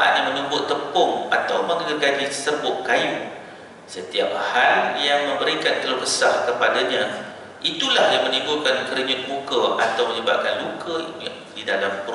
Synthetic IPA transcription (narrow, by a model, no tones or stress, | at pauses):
a̰ʔɲamə̃nubʊʔt̪əpʊŋa̰t̪awməŋərɡad͡ʒisərbʊʔkaju | sət̪iap̚haljaŋmə̃mbəɾikant̪əlohbəsarkəpadaɲã | ʔit̪ulahjaŋmə̃nĩŋɡukankəɾəɲʊt̪̚lukəʔat̪awməɲəbap̚kanlukə | didalampɾ